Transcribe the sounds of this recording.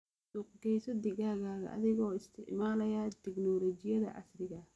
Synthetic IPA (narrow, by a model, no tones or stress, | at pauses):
d̪ʊqɡɛjsɔd̪ɪɣaːɣaːɣɐ̰ʔɐ̰ðɪɣɔːɪst̪ʰɪ̰ʕmaːlɐjat̪ʰɛɡnɔːlɔːt͡ʃɪjɐðɐ̰ʔɑ̰srɪɣɐ